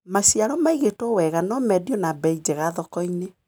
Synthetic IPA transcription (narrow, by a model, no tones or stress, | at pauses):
masiaɾɔmaiɣetɔwɛɣanɔmɛdiɔnabɛid͡ʒɛɣaðɔkɔine